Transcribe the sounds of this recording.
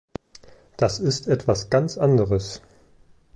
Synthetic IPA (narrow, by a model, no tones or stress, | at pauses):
d̥asɪstʔɛtv̥asɡ̥ant͡sʔandəʁəs